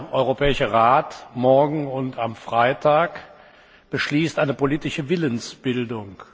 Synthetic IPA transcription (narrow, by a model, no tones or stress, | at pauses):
ʔɔʏʁopɛːɪʃəʁaːtmɔɐɡŋ̩ʊntʰamfʁ̥aɪtʰaːk | b̥əʃliːstʔaɪnəpoliːtɪʃəvɪlənsb̥ɪldʊŋ